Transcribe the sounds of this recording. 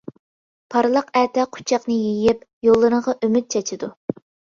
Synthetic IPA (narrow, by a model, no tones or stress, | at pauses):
pʰɑɾlˠəqæt̪ʰɛqʰʊ̥t͡ʃʰɑqnɨjejɪp̚jolˠːɨɾəɴʁɑʔømyt̪̚t͡ʃʰɛt͡ʃʰɪd̪u